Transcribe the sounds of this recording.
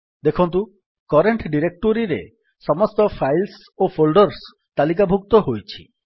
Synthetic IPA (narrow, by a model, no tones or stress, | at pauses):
d̪ekʰɔnt̪̬u | kɔɾeɳʈɖiɾek̚ʈoɾiɾḛ | sɔmɔst̪ɔpʰajls | opʰolɖɔɾs | t̪alik̬abʱuk̚t̪ɔɦojt͡ʃʰi̥̰